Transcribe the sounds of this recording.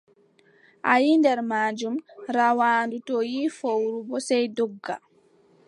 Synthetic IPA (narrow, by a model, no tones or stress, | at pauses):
ʔajindɛɾmaːd͡ʒumɾawaːndutɔjifowɾubɔsɛjdɔɡːa̰